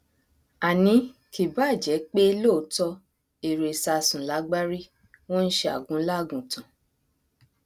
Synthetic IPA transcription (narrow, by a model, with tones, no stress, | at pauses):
a˨nĩ˨˧ki˨ba˦˨d͡ʒɛ˨˦k͡pe˦lo˦˨˦tɔ˧ | e˨ɾe˨sa˧˨sũ˨la˨˦ɡ͡ba˦ɾi˦ | wɔ̃˦n̩˦ʃe˧˦a̰˨ɡũ˨˦la˦˨ɡũ˨tũ˨